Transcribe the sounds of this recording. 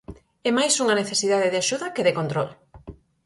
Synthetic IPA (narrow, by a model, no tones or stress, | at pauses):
ɛmajsuŋɐneθesiðaðeðaʃuðɐkeðekont̪ɾɔl